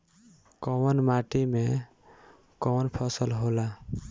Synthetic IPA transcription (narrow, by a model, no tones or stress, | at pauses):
kɔwənmaʈime | kɔwnpʰɔsəlɦola